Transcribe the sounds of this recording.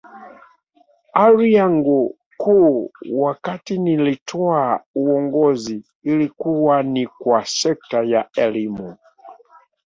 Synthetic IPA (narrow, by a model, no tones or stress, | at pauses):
aɾiaŋɡu | kuwakatinilitʰɔauɔŋɡɔziː | likuwanikwasɛk̚tajaɛlimu